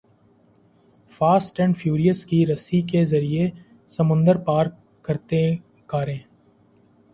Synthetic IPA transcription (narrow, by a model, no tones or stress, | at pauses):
faːsʈɛ̃ɳɖfʰjuːɾijəskiɾɐsikezɐɾie | səmʊ̃nd̪əɾpaːɾkː | əɾt̪e | kaːɾẽː